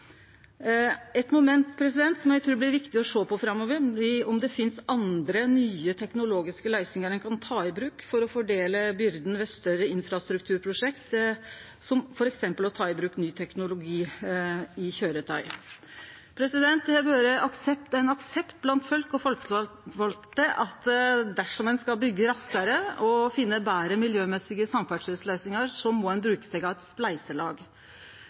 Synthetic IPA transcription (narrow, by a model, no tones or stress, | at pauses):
ɛt̪mʊmɛnt̪pʰɾɛsɪd̪ɛnt̪sɔmjæɪt̪ʰɾʉːblɪɾʋɪkt̪ɪɔʂoːpʰɔfɾɑmːɔʋəɾɪɔmd̪ɛfɪnsɑnd̪ɾənyːət̪ʰɛknʊloːɡɪskəlæɪsɪŋəɾɛnkʰɑnt̪ʰɑːɪbɾʉːkfɔɾɔfɔɖeːləbʏɾd̪n̩ʋɛːst̪œɾəɪnfɾɑst̪ɾʉkt̪ʰʉːɾpʰɾʊʂɛkt̪ | sɔmfɔɾɛksɛmpəlɔt̪ʰɑːɪbɾʉːknyːt̪ʰɛknʊlʊɡiː | ɪçøːɾət̪ʰœʏ | pʰɾɛsɪd̪ɛnt̪ɛbøːɾəʔɑksɛpt̪æɪnɑksɛpt̪̚blɑnt̪fœlkɔ | fɔlt̪əʔɑt̪d̪æʂɔmɛnskɑbʏɡːəɾɑskɑɾəɔfɪnːəbæːɾəmɪljøːmɛsɪɡəsɑmfæɖʂœslœʏsnɪŋəɾʂɔmːɔɛnbɾʉːkə̥sɛɡɑʋɛt̪splæɪsəlɑːɡ